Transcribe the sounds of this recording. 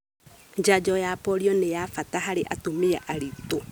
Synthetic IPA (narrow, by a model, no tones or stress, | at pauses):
ɲd͡ʒad͡ʒɔjapɔɾiɔnejafataɦaɾeʔatomiɛʔaɾito